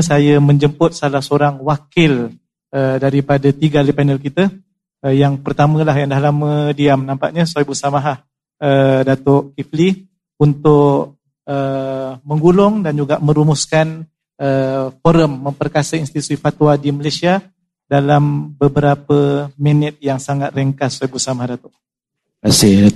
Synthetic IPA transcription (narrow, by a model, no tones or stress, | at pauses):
sajəmə̃ɲd͡ʒəmpʊt̪̚salahsəoɾaŋwakɪl | ədaɾipadat̪iɡalipanəlkit̪ə | jaŋpərt̪amə̃laɦjaŋdahlamə̃diamnãmpaʔɲə̃sabusamaɦah | ədat̪ɔʔkifli | unt̪ʊʔʔ | əmə̃ŋɡulʊŋdand͡ʒuɡaʔmə̃ɾumuskan | əfoɾəmːəmpərkasəinst̪it̪u̥sifat̪wadimalasia | dalambəbəɾapəminɪt̪̚jaŋsaŋat̪̚reŋkasaajbusamahdat̪ɔʔ | asi